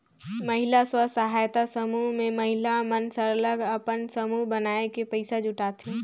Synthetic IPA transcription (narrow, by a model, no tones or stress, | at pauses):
məɦɪlaswəsəɦaːjt̪asəmuɦmẽməɦɪlamənsəɾələɡəpənsəmuɦbənaːekepəɪsad͡ʒʊʈaːt̪ĩ